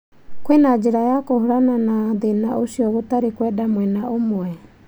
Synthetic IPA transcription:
kwenad͡ʒiɾajakɔhuɾananad̪enaosiɔβot̪aɾikwɛdamuɛnaʔomɔɛ

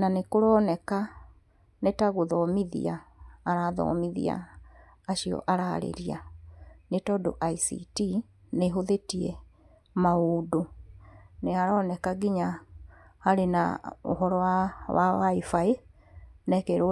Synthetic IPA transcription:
nanekoɾɔːnɛka | netaɣoðɔmiðḭaːɾaðɔ̰miðḭa̰ː | ʃiɔ̰ʔaɾa̰ɾḛɾianetɔdoʔaisḭti | neɦoðetiɛ | maodo | neaɾɔːnɛkaɡiɲa | haɾena̰o̰ɦɔɾɔwawa̰waifae | nɛkɛɾo

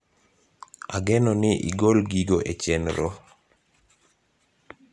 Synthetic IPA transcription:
aɡɛnɔnɪʔḭɡolɡiɡoʔet͡ʃɛnɾo

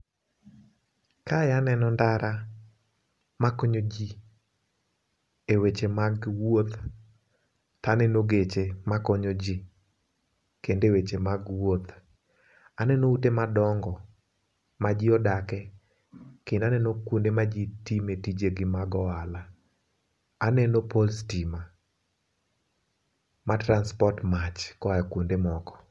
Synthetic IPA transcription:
kajanɛnɔndaɾa | makɔɲod͡ʒi | ewet͡ʃemaɡwot̪ | tanɛnoɡet͡ʃemakɔɲod͡ʒi | kendewet͡ʃemaɡwot̪ | anɛnoutemadɔŋɡɔ | mad͡ʒɪɔdakɛ | kɪndanɛnokwondemad͡ʒitimetid͡ʒeɡɪmaɡɔala | nɛnopolstima | matɾanspɔrtmat͡ʃkɔaɛkwondemɔkɔ̥

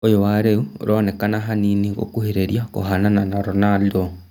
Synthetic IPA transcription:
ojowaɾeuɾʔonekanaɦaniniɣo̰kuheɾeɾjako̰ɦanananaɾonaldo

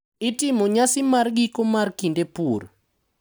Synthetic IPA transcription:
itɪmoɲasɪmarɡikomarkindepuɾ

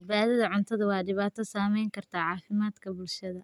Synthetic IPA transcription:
baːðɐðɐʕʊnt̪ʰɐðɐwɑːɖɪβaːt̪ʰɔsaːmɛjŋkʰɐrt̪ʰaːʕɑːfɪmaːd̪kʰɐbʊlʃɐðɐ

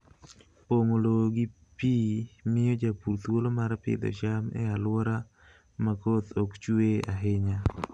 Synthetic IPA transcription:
poŋoloɡi | pimɪjod͡ʒapuɾt̪wolomaɾapɪ̰d̪o̰t͡ʃamɛ̰alwɔɾa | makot̪okt͡ʃueaɦɪɲa

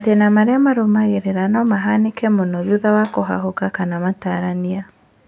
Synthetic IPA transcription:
tenamaɾeamaɾomaɣeɾeɾanɔmaɦanekɛmonoðjuðawakoɦa̰ɦokakanamataɾania

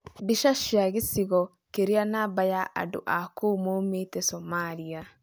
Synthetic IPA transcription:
biʃaʃjaɣesiɣɔ | keɾianabajaʔa̰do̰ʔakomometɛsɔmalia

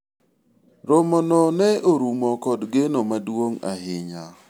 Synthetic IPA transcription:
ɾomɔnɔnɛoɾumɔkɔdɡenomadwoŋa̰ɦɪɲa

